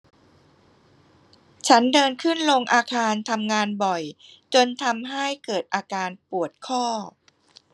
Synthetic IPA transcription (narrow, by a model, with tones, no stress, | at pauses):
t͡ɕʰa˦˥ndɤː˧nkʰɯ˥˩nlo˧ŋʔaː˧kʰaː˧nt̪ʰa˧mŋaː˧nbɔ˨˩j | t͡ɕo˧nt̪ʰa˧mɦa˥˩jkɤː˨˩t̪̚ʔaː˧kaː˧npu˨˩ət̪̚kʰɔː˥˩